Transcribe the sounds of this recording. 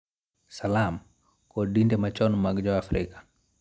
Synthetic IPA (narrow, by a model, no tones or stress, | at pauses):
salam | kɔɗindɛmat͡ʃɔnmaɡd͡ʒawafɾikḁ